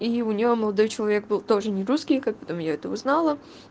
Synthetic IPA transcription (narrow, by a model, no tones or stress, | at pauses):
iʊnʲɪjoməlˠɐd̪o̞jt͡ɕɪlˠɐvʲe̞ɡ̚bɨlˠt̪o̞ʐɨnʲɪɾuskʲɪjkak̚pɐ̥t̪o̞mjaɛt̪əʊznalˠə